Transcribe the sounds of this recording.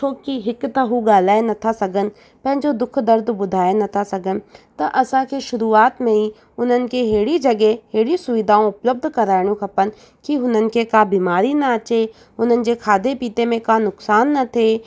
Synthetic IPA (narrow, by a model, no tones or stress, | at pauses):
t͡ʃʰoːkiɦɪkt̪ɐɦuɡaːl̤aːenɐt̪ʰasɐɡənɪ̆ | pɐ̃ɦɪ̃ɲd͡ʑod̪ʊkʰd̪ɐɾd̪ʱbʊd̪ʱaːenɐt̪ʰasɐɡənɪ̆t̪ɐʔɐsãkeʃʊɾuaːt̪mẽɦi | ʊn̤ənɪ̆keɦeːɽid͡ʒɐɡeɦeːɽisʊʋɪd̪ʱaːõʊpləb̚d̪ʱkɐɾaːɪɽ̃jũkʰɐpən | kiʊnənɪ̆kekabiːmaːɾinɐɐt͡ɕe | ʊn̤ənɪ̆d͡ʑekʰaːd̪ʱepiːt̪emẽkanʊksaːnːɐt̪ʰeː